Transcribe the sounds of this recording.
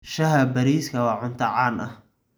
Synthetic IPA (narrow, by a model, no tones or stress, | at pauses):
ʃɐɦɐbɐɾiːskʰɐwɑːʕʊnt̪ʰɐʕaːnʔɐh